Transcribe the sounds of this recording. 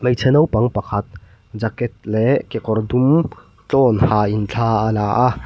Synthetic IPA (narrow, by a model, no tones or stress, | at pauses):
məjt͡sʰɛnɐwpɐŋpɐkʰɐt̪̚ | d͡zɐkɛt̪̚lekekɔɾd̪um | t͡ɬɔnhaint͡ɬʰaəlaːʔa